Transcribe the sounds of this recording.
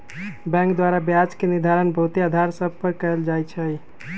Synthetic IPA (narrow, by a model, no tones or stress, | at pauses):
bɛ̃ŋkd̪waɾabjad͡ʒkeniɾd̪ʱaɾənbəɦut̪ead̪ʱaɾsəb̚ʱpəɾkəeld͡ʒajt͡ʃʰəj